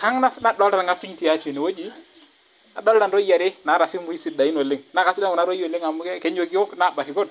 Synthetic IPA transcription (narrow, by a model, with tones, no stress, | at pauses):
ka˦ŋna˦sna˦dɔ˦lɾa˨ŋa˦tu˦ɲti˨a˨˦te˨ni˨wo˦d͡ʒi˦ | a˨dɔ˦lda˨nɾɔ˦ja˨ɾɪ˦na˨˦ɾa˨sɪ˦mu˨˦i˦si˨da˨i˦no˨lɪ˦ŋna˨˦ka˨˦sɪ˦da˦ŋɔ˨na˦ɾo˦jo˨lɪ˦ŋa˨mʊ˦kɛ˦kɛ˦ɲo˨ɡi˦ɔ˦kna˦˨ba˨kɪ˨ko˦n